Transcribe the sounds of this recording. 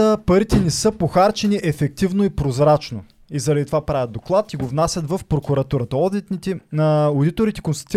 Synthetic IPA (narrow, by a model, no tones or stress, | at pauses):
əpɐɾit̪ɛnɛsɤpoxaɾt͡ʃɛniʔɛfɛk̚t̪ivnoipɾozɾat͡ʃno | izɐɾɐd̪it̪ovapɾavʲɐt̪d̪oklˠat̪iɡovnasʲɐt̪vəfpɾokuɾɐt̪uɾət̪əɔd̪it̪nit̪ɛod̪it̪oɾit̪ɛkonst̪ɐ̥t̪i